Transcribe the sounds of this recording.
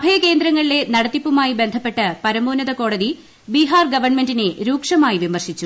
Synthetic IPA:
bʱɐjɐke̞ːnd̪ɾɐŋːɐɭile̞nɐɽɐt̪ːipːumaːjibend̪ʱɐpːe̞ʈːɐpɐɾɐmoːnɐðɐko̞ːɽɐði | biɦaːrɡɐʋɐrɳmendineɾuːkʂɐmaːjiʋimɐrɕit͡ɕːu

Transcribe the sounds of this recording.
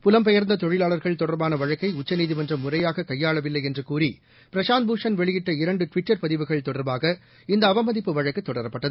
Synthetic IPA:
pʊlɐmpɛjɐɾnd̪ɐt̪ɔɻɪlaːɭɐɾɣɐɭt̪ɔɽɐɾbaːnɐʋɐɻɐkːɐɪʊt͡ʃːɐniːðɪmɐndrɐmːʊrɐjaːɣɐkɐjːaːɭɐʋɪlːɐɪjɛndrɯkuːri | pɪɾɐʂaːnbuːʂɐnʋɛɭɪjɪʈːɐɪɾɐɳɖɯʈʋɪʈːɐɾpɐðɪʋɯɣɐɭt̪ɔɽɐɾbaːɣɐ | ɪnd̪ɐːʋɐmɐðɪpːɯʋɐɻɐkːɯt̪ːɔɽɐɾɐpːɐʈːɐðɯ

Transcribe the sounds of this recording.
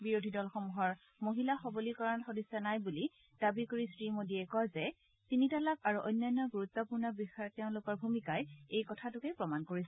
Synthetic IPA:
biɹodʱidɔlxomuɦɔɹ | moɦilaxɔbolikɔɹanxodisːanajbuli | d̥abikoɹisɹimodiɛkɔjzɛ | tinitalakaɹuʔɔjnːajnːɔɡuɹut̪ːɔpuɹnɔbixajɔtɛʊ̃lokɔɹbʱumikajejkɔtʰatʊkɛpɹɔmankoɹisɛ

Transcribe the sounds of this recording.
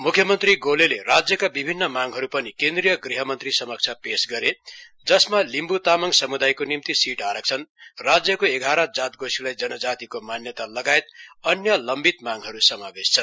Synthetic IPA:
mukʰjʌmʌnt̪riɡolelerad͡zjʌkabibʱinːʌmaŋɦʌɾupʌnikend̪rijʌɡriɦʌmʌnt̪risʌmʌk̚t͡sʰjapesɡʌɾe | d͡zʌsmalimbut̪amʌŋsʌmud̪ajkonimt̪isiʈaɾʌk̚t͡sʰʌnrad͡zjʌkoeɡʱaɾʌd͡zat̪̚ɡosilajd͡zʌnʌd͡zat̪ikomanjʌt̪alʌɡaet̪ʌnjʌlʌmbit̪maŋɦʌɾusʌmabest͡sʰʌn

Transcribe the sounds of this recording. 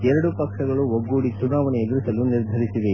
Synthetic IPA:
ɛɾɐɽupɐkʂɐɡɐɭuoɡːuːɽit͡ʃunaːʋɐnɛɐd̪ɾusɐluniɾd̪ʱɐɾisiʋe

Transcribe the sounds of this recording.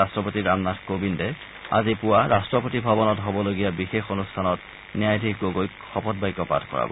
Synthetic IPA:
astɹɔpotiɹamnatkobindɛ | a̰zipʊwaɹastɹɔpotibʱabɔnɔtɦobɔloɡijabixexonustʰanɔt̚ | niajdʱikɡoɡojkxɔpʰɔt̚bajkɔpa̰tkɔ̰ɹa̰bɔ̰

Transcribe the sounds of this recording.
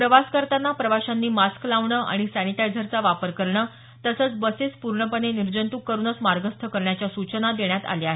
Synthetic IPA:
pɾəʋaskəɾt̪anːapɾəʋaɕanːiːmasklaʋɳəːʔa̰ɽ̃isanit̪ajd͡zʱəɾt͡saʋapəɾkəɾɳəː | t̪əsəːt͡sbəset͡spuɾɳəpəneniɾd͡ʑənt̪uːkːəɾuːnət͡smaɾɡəst̪ʰəkəɾɳjat͡ɕjasut͡ɕənad̪eɳjat̪a̰ljaɦe

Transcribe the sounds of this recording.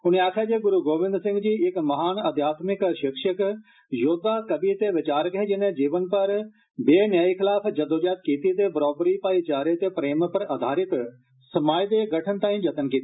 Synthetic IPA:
ʊnẽaːkʰaːd͡ʒeːɡʊɾuːɡoːʋɪ̃nd̪sɪ̃ŋɡd͡ʒiːɪkmɐɦaːnɐd̪ʱjaːt̪mɪkʃɪkʃək | joːd̪aːkəbit̪eʋɪt͡ʃaːɾkɦeːd͡ʒɪnẽd͡ʒiːʋənpɐɾ | beːnjaːikʰɪlaːpʰd͡ʒɐd̪oːd͡ʒaːt̪̚kiːt̪it̪̬eːbɾɔːbɾipaːit͡ʃaːɾet̪eːpɾeːmpəɾɐd̪ʱaːɾɪt̪ | sɐmaːjd̪eːɡəʈʰənt̪aːĩd͡ʒɐt̪ənkiːt̪ː

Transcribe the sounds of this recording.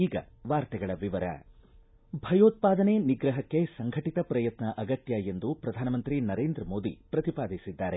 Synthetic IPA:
iːɡɐ̰ʋaːɾt̪ɛɡɐɭɐʋiʋɐɾɐ̰ | bʱɐjoːt̪̚paːd̪ɐneniɡɾɐɦɐkːe̞sɐŋɡʱɐʈit̪ɐpɾɐjɐt̪nɐʔɐɡɐt̪jɐe̞nd̪upɾɐd̪ʱaːnɐmɐnt̪ɾinɐɾeːnd̪ɾɐmo̞ːd̪ḭpɾɐt̪ipaːd̪ʱisid̪ːaːɾe

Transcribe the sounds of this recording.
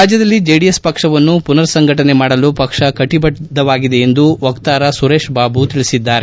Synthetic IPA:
aːd͡ʒjɐd̪ɐlːid͡ʒeːɖijespɐkʂɐʋɐnːupunɐɾsɐŋɡʱɐʈɐne̞maːɽɐlupɐkʂɐkɐʈibɐʈd̪ɐʋaːɡid̪e̞end̪uʋɐkt̪aːɾɐsuɾe̞ːʂbaːbut̪iɭisid̪ːaːɾe

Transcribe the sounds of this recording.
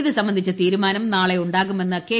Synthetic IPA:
ðɨsɐmbɐnd̪ʱit͡ɕːɐt̪iːɾumaːnɐmnaːɭe̞uɳɖaːɣume̞nːɐkeː

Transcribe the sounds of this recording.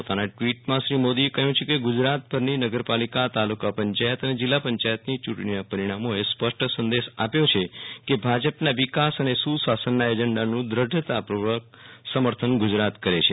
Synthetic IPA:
ot̪anaʈʋiʈmãʃɾimod̪iekəɦjũt͡ʃʰekeɡʊd͡ʒɾat̪̚bəɾninəɡəɾpalikat̪alukapəɲt͡ʃajət̪əned͡ʒɪlːapəɲt͡ʃajət̪nit͡ʃuʈɳ̃inapəɾiɽ̃amoespəʂʈʰəsənd̪eʃapjot͡ʃʰekebʱad͡ʒəpnaʋikasənesusasənːaed͡ʒəɳɖanũd̪ɾəɖʱt̪apɾoʋək̚ | səməɾt̪ʰənɡʊd͡ʒɾat̪kəɾet͡ʃʰe

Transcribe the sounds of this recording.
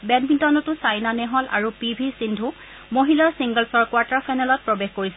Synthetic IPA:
bɛdbintɔnɔtʊsajnanɛɦɔlʔa̰ɹupibʱisindʱu | moɦilaɹsiŋɡəlsɔɹkwaɹtaɹpʰajnalɔt̚pɹɔbexkoɹisɛ

